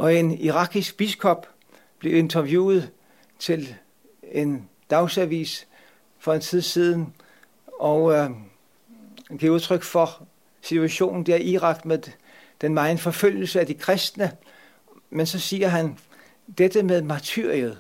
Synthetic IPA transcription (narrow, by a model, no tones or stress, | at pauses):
ʔɒ̽e̝niʁɑ̈ɡ̥isɡ̥̚b̥iskʰɒ̽b̥ | b̥le̝e̝nt͡sʰɐʋjṵːð̞̩ˠ | t͡sʰe̝l | e̝n | d̥ɑ̈ʊsæʋḭːs | fɒ̽e̝nt͡sʰið̞ˠsiːð̞ˠn̩ | ʔɒʊ | ɡ̥iɐuð̞ˠt͡sʰʁœɡ̥fɒ̽ | sit͡sʰuæɕo̝̰ːnn̩d̥eɐʔiʁɑ̈ɡ̥með | d̥enmɑ̈ɪnfɒ̽føl̰jl̩səæd̥ikʰʁɛsd̥nə | mensɒ̽siːɐɦæn | d̥ed̥əmeðˠmɑt͡sʰyɐ̰ʁiəðˠ